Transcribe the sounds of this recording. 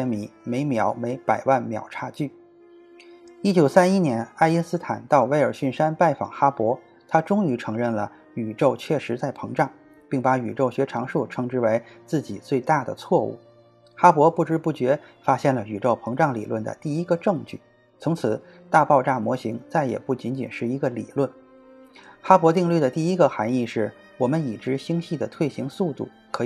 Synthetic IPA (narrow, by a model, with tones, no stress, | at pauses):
ɛ˥nmi˧˥me˧˥ɪmjɑ˧˥ʊme˧˥ɪpa˨˩ɪwa˥˩nmjɑ̰˨˩ʊʈ͡ʂʰa˥˧t͡ɕy˥˩ | i˥t͡ɕjo˨˩ʊsa˥ni˥njɛ˧˥na˥ɪi˥nsɹ̩˥t̪ʰa̰˨˩nt̪ɑ˥˩ʊwe˧˥ɪə˞˨˩ɕy˥˩nʂa˥npa˥˩ɪfɑ̰˨˩ŋxa˥pwɔ˧˥ | t̪ʰa˥ʈ͡ʂʊ˥ŋy˧˥ʈ͡ʂʰɤ˧˥ŋɻə˥˩nlə̰˩ | y˨˩ʈ͡ʂo˥˧ʊt͡ɕʰɥɛ˥˩ʂɻ̩˧˥t͡sa˥˩ɪpʰɤ˧˥ŋʈ͡ʂɑ˥˩ŋ | pi˥˩ŋpa˧˥y˨˩ʈ͡ʂo˥˩ʊɕɥɛ˧˥ʈ͡ʂʰɑ˧˥ŋʂu˥˩ʈ͡ʂʰɤ˧˥ŋʈ͡ʂɻ̩˥we˧˥ɪt͡sɹ̩˥˩t͡ɕi˨˩t͡swe˥˧ɪt̪a˥˩d̪ə̰˩t͡sʰwɔ˥˧ṵ˥˩ | xa˥pwɔ˧˥pu˥˩ʈ͡ʂɻ̩˥pu˥˩t͡ɕɥɛ˧˥fa˥ɕjɛ˥˩nlə˩y˨˩ʈ͡ʂo˥˩ʊpʰɤ˧˥ŋʈ͡ʂɑ˥˩ŋlḭ˨˩lwə˥˩nd̪ə̰˩t̪i˥˩i˥ɡə˧ʈ͡ʂɤ˥˧ŋt͡ɕy̰˥˩ | t͡sʰʊ˧˥ŋt͡sʰɹ̩˨˩˦ | t̪a˥˧pɑ˥˧ʊʈ͡ʂa˥˩mwɔ˧˥ɕi˧˥ŋt͡sa˥˩ɪjɛ̰˨˩pu˥˩t͡ɕi˧˥nt͡ɕi˨˩nʂɻ̩˥˩i˧˥ɡə˧lḭ˨˩lwə˥˩n | xa˥pwɔ˧˥t̪i˥˧ŋly˥˩d̪ə˩t̪i˥˩i˥ɡə˨xa˧˥ni˥˧ʂɻ̩˥˩ | wɔ˨˩mə˦ni˨˩ʈ͡ʂɻ̩˧˥ɕi˥ŋɕi˥˩d̪ə˩t̪ʰwe˥˩ɪɕi˧˥ŋsu˥˧t̪u˥˩ | kʰɤ˧˥